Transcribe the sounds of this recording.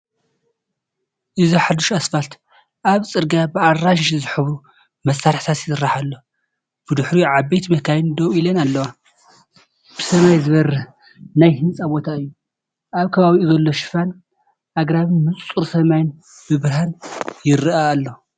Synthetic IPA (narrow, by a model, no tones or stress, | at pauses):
ʔɨziħad̪uʃasfalt̪ | ʔaβt͡sʼɨɾɡabɨarːaʃʃzɨħɨβɾu | mɐsːaɾħt̪ʰat̪jɪ̥sɨrːaħalːo̞ | b̥ɨd̪ɨħɾiʕaβejt̪ʰmɐkʰajɪnd̪owilɐnalːɐwa | b̥ɨsɐmajzɨβɐɾɐ | najhɨnt͡sʼabo̞t̪ʰaɨjːu | ʔaβkʰɐβaβiʔuzɐlːo̞ʃɪ̥fan | ʔaɡɾaβɨnmɨt͡sʼuɾsɐmajn | b̥ɨbɨɾhanjɪɾɨaːlːo̞